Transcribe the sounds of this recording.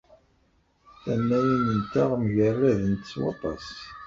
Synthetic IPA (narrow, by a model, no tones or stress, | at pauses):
θænːæjinənt̪aʁmʝərˤːæðənt̪ə̥t͡sːwɑ̰t̪ˤɑ̰s